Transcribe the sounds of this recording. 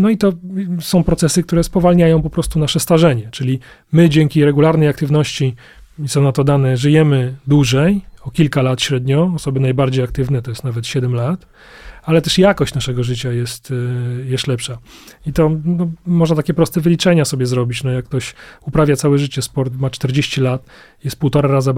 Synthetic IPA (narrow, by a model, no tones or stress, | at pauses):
nɔit̪ɔsɔ̃w̃pɾɔt̪sɛsɘk̚t̪uɾɛspɔvalɲajɔ̃w̃pɔpɾɔst̪unaʂɛst̪aʐɛɲɛt͡ʂɘlʲi | mɘd͡ʑɛŋkʲiɾɛɡulaɾnɛjak̚t̪ɘvnɔɕt͡ɕi | isɔ̃w̃nat̪ɔd̪anɛʐɘjɛmɘd̪wuʐɛjɔkʲilkalat̪ɕɾɛd̪ɲɔːsɔbɘnajbaɾd͡ʑejak̚t̪ɘvnɛt̪ɔjɛst̪avɛt̪ɕɛd̪ɛmlat̪ | alɛt̪ɛʂjakɔɕt͡ɕnaʂɛɡɔʐɘt͡ɕajɛst̪jɛst̪lɛpʂait̪ɔnɔmɔʐnat̪akʲɛpɾɔst̪ɛvɘlʲit͡ʂɛɲasɔbʲjɛzɾɔbʲit͡ɕnɔjakːt̪ɔɕupɾavʲjat̪sawɛʐɘt͡ɕɛspɔɾt̪mat͡ʂt̪ɛɾd͡ʑeɕt͡ɕilat̪ | jɛst̪̚puwt̪ɔɾaɾaza